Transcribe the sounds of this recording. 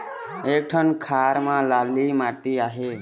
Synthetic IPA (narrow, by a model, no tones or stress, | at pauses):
ek̚ʈʰənkʰaɾmãlalimaʈiaːɦe